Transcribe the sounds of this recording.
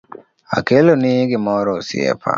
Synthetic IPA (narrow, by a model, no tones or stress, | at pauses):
a̰kelonɪɡɪmɔɾɔsḭḛpʰa̰